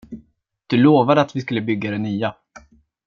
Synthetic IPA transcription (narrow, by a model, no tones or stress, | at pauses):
d̪̥ɵloːvad̪əat̪vɪskɵlːəbʏɡːad̪ɛnyːa